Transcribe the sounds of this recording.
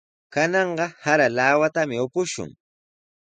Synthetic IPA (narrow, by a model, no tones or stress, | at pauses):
kanɑɴɢɑhaɾalaːwat̪amɪʊpʊʃʊ̰ŋ